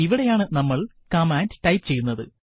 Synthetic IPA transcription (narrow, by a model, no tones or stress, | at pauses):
iʋiɽe̞jaːɳɨnɐmːɐɭ | kɐmaːndʈɐjpɨt͡ɕe̞jːunːɐðɨ